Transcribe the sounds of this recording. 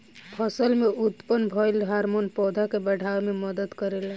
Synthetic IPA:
pʰɔsəlmeut̪pənbʱɔlɦaɾmonpɔd̪ʱakebəɽ̤ʱawmeməd̪əd̪kəɾel

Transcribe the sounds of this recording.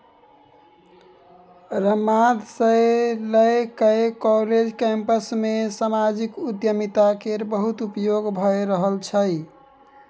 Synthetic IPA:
ɾəmad̪sələjkəkɔɾed͡ʒkempəsmesamad͡ʒikud̪jəmit̪akeɾbəɦut̪upjoɡbʱəeɾəɦəlt͡ʃʰəj

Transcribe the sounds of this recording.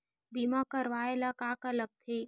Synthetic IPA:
bimakəɾʋaːelakakaləɡ̚t̪ʰeː

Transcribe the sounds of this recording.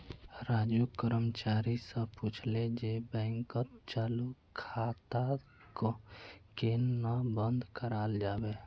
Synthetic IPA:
ɾaːd͡ʒukəɾəmt͡ʃaːɾisə̃put͡ʃʰled͡ʒebɛ̃ːŋkət̪t͡ʃaːlukʰaːt̪a | kokennabə̃nd̪kəɾaːld͡ʒaːbe

